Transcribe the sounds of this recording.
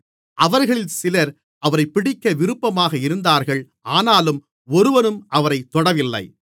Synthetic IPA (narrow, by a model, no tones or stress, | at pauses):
ʔɐʋɐɾɣɐɭɪlsɪlɐɾ | ʔɐʋɐɾɐɪpːɪɽɪkːɐʋɪɾɯpːɐmaːɣɐɪɾɯnd̪aːɾɣɐɭ | aːnaːlɯm | ɔɾɯʋɐnɯmʔɐʋɐɾɐɪt̪ːɔɽɐʋɪlːɐ̰ɪ